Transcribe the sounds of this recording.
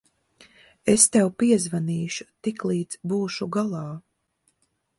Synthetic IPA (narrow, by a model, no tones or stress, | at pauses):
est̪ɛwpiɛzvaniːʃut̪iklˠiːd̪zbuːʃuɡalˠɑː